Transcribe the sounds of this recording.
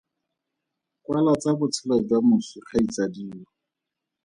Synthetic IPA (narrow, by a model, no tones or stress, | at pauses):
kʼwalat͡sabʊt͡sʰɪlɔdamʊsʊχʰait͡sadiːɔ